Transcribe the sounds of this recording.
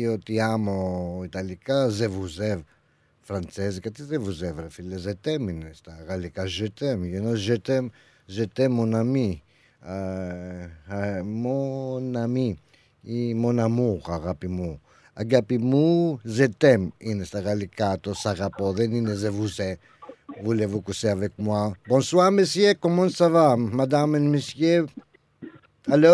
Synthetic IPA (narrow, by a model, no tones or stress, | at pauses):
jot̪iamoit̪alikazevuzɛv | fɾant͡sɛzikat̪izevuzɛvɾefilezɛt̪ɛminest̪aɣalikaʒɛt̪ɛmjonoʒɛt̪ɛm | zɛt̪ɛmːonami | a | monami | imɔ̃namuʁaʁapimu | aɡapimuʒet̪ɛminesaʁalekat̪osaʁapɔðeninezevusɛ | vulevukusɛavɛk̚mwabɔ̃swaʁmesjekɔmɔ̃savamad̪amelmesje | alɔ